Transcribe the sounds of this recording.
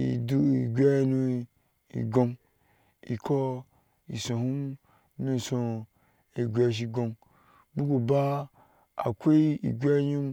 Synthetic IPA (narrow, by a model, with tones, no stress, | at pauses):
i˨du˦i˨ɡʲʷɛ˦nũ˧ | ḭ˨ɡõ˧n | ḭ˨kʰɔ˦ | ḭ˨sõ˨hu˦m | nũ˧˨sõ˧ | i˨ɡʲʷe˧˨ʃ̬i˧ɡõ˧n | bu˦ku˨ba˦ | a̰˨kʷe˦i˦ḭ˨ɡʲʷe˦ɲi˦m